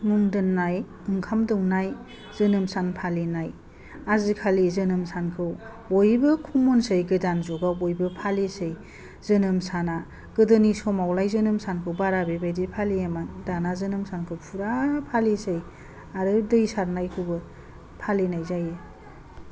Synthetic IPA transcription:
muŋdɯnːaj | ɯŋkʰamdɯwnaj | zɯnɯmsanpʰalinaj | azikʰalizɯnɯmsankʰɯw | ojbɯkʰumɔnsɯjɡɯdanzɔɡaojbɯpʰalisɯj | zɯnɯmsana | ɡ̥ɯdɯnisɔmawlajzɯnɯmsankʰɯwbaɾabebajdipʰaliamadanazɯnɯmsankʰɯwpʰuɾapʰalisɯj | aɾɯdɯjsaɾnajkʰɯwbɯ | pʰalinajzaje

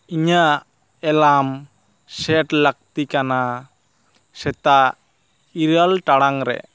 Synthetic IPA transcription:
iɲa | ɛlam | sɛʈlak̚t̪ikana | sɛt̪a | iɾalʈaɽaŋɾɛ̰

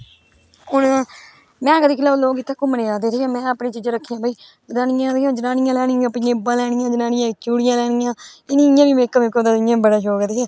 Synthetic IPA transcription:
ɦʊɳ | mɛ̃ːkəd̪iːkʰɪlaːloːɡɪt̪ːaːkʊməneːaːd̪eːt̪iːãːmɛ̃ːapneːt͡ʃiːd͡ʒãːɾəkʰːiːjãːbaːiː | bəd̪aːnɪjãːd̪jãːd͡ʒənaːnɪjãːlɛːɽɪjãːpɪjãːbãːlɛːɽ̃ɪjãːd͡ʒənaːnɪjãːkjuːɽɪjãːlɛːɽ̃ɪjãːɪnĩːɪjãːʋiːmeːkːəmekːəd̪aːɪjãːbəɽaːʃoːkət̪iːɛː

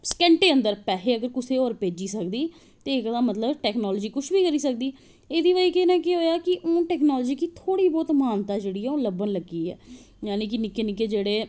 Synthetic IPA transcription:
skɛ̃ːɳʈeːə̃nd̪əɾpɛːɦeːəɡəɾkʊseːoːɾpeːd͡ʒiːsəkd̪iː | t̪eːɪkd̪aːmət̪ləbʈɛːknɔːld͡ʒiːkʊʃʰbiːkəɾiːsəkd̪iː | eːd̪iːʋaiːkenɛ̃ːkeɦoːjaːkɪʔõːʈɛːknɔːld͡ʒiːkiːt̪ʰoːɽiːbɔːt̪maːnt̪aːd͡ʒeːɽiːɛːõːləbənləɡiːɛ̰ː | jaːnĩːkɪnɪkːeːnɪkːeːd͡ʒeːɽeː

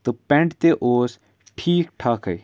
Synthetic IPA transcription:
t̪opɛ̃ɳʈt̪eʔoːs | ʈʰiːkʈʰaːkɐi

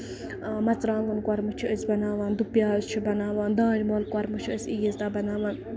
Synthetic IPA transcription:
mɐt͡sɾãːŋɡunkwɐɾmɨt͡ʃʰiəsbɐnaːʋaːnd̪upjaːzt͡ʃʰibɐnaːʋãːnd̪ãːd͡ʒmoːlkwɐɾmɨt͡ʃʰiəsijizt̪aːbɐnaːʋaːn

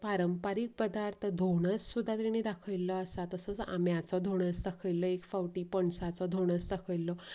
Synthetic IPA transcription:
paɾəmpaɾiːk̚pəd̪aɾt̪ʰəd̪ʱoɽ̃əsːud̪ʱːat̪iɽ̃id̪akʰəjlɔəsat̪əsət͡sa̰mjat͡sɔd̪ʱoɽ̃əsd̪akʰəjlɔekfawʈiːpəɳsat͡sɔd̪ʱoɽ̃əsd̪akʰəʋlːɔ

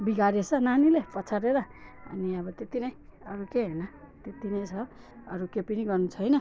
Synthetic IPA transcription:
biɡaɾet͡sʰʌnanilepʌt͡sʰaɾeɾʌʌ̰niʌbʌt̪et̪inʌjʌɾukeɦenʌ | t̪et̪inʌ̃jt͡sʰʌ | ʌ̰ɾukepiniɡʌrnut͡sʰʌjnʌ

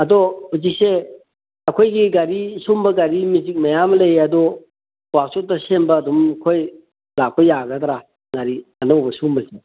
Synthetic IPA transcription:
ɐdɔhuzik̚se | akʰojɡiɡaɾisumbɐɡaɾimizik̚majamlejɐdɔ | wak̚sot̚dɐsembɐːdumkʰoj | lak̚pɐjaɡɐdɾa | ŋaɾiɐnowbɐsumbɐsʰi

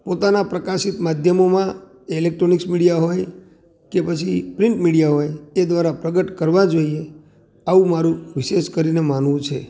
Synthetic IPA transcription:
pot̪anapɾəkaʃit̪mad̪ʱjəmomã | ɪlek̚ʈɾoniksmiɽijaɦoj | kepət͡ʃʰipɾɪɳʈmiɽijaɦojed̪ʋaɾapɾəɡəʈkəɾʋãd͡ʒoie | aʋũmaɾũʋɪʃeʃkəɾinemanʋũt͡ʃʰe

